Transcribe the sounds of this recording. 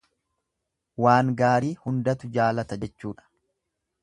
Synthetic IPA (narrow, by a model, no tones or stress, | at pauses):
waːŋɡaːɾiːhʊnd̪ɐt̪ʊd͡ʒaːlɐt̪ɐd͡ʒɛt͡ʃːuːᶑɐ̥